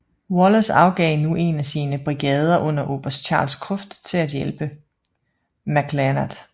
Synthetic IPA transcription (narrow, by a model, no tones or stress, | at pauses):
wɒlɐsɑ̈ʊɡ̥ɛ̰ɪnuʔe̝næsiːnəb̥ʁiɡ̥ɛːð̞ˠɐʔɔ̽n̰ɐʔo̝̰ːb̥ɐsdt͡ɕʰɑ̈ːlskʰʁɔfd̥t͡sʰe̝læd̥jelb̥ə | mæɡ̥lænɐd̥